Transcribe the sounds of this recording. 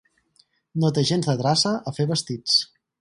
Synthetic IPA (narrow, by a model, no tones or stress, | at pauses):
not̪eʒenzðət̪ɾasəʔəfeβəst̪it͡s